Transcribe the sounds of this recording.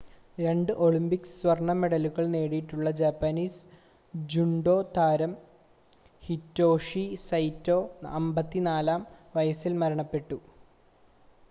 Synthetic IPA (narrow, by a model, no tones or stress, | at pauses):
ɾe̞ɳɖɨʔo̞ɭimbikssʋɐrɳɐme̞ɽɐluɣɐɭne̞ːɽijiʈːuɭːɐd͡ʑaːpːɐniːs | d͡ʑuɳɖo̞ːt̪ʰaːɾɐm | hitːo̞ːʂisɐjtːo̞ːɐmbɐt̪ːinaːlaːmʋɐjɐsilmɐɾɐɳɐpːe̞ʈːu